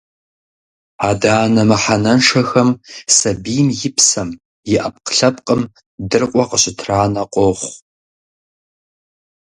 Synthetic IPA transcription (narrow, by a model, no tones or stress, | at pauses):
aːdaːnɐmɨħanɐnʂɐxɐmsɐbijmjɪpʰsɐm | jɪʔɐp̚qə̥ɬɐpqʼəm | dɨrqʷʼɔqəɕʼɪtʰraːnɐqʷʼoχʷ